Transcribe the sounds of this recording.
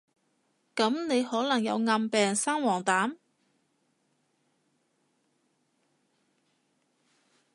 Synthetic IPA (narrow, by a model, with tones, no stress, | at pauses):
kɐ˨˥mne˨˧jhɔː˨˥lɐ˨˩ŋjɐ̰˨˧wŋɐ˧mpɛː˨˩ŋsaː˥ŋwɔː˨˩ŋt̪aː˨˥m